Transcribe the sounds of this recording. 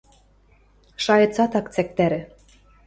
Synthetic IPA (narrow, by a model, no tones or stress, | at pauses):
ʃɑjɤ̆t͡sɑt̪ɑkt͡sæk̚t̪æɾɘ̆